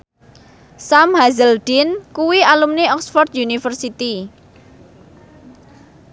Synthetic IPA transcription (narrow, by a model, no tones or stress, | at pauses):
samhazəld̪̥inkuwialumneɔksfɔrt̪̚junifərsit̪i